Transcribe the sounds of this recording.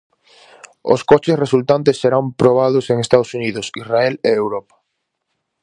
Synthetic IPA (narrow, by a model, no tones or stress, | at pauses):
o̰skot͡ʃesresult̪ant̪esːeɾampɾoβ̞að̞ʊseŋest̪aðosuniðʊsisraɛleewɾopḁ